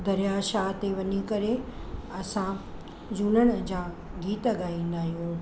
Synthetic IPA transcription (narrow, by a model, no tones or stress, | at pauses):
d̪ɐɾjaʃaːɦt̪eʋɐɲikɐɾe | ɐsã | d͡ʑuːnəɽ̃ə̆d͡ʑãː | ɡiːt̪ɡaːĩːnd̪aːɦijũː